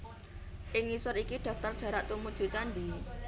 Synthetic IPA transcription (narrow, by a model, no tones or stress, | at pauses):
ʔɪŋːisʊɾikiɖ̥a̤ft̪ərd̥ä̤ɾaʔt̪umud̥ʒ̥ṳt͡ʃand̪i